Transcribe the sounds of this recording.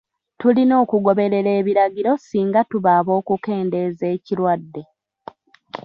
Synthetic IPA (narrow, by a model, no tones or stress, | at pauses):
tulino̞ːkuɡo̞βe̞ɾe̞ɾe̞ːβiɾaɟiɾo̞siːŋɡatuβaːβo̞ːkuke̞ːnde̞ze̞ːcilwadːe̞